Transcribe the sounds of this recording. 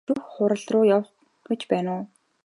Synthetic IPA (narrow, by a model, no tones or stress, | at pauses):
uxχʊɾə̆ɮrʊːjawχ | ɡ̥et͡ɕpæːnʊː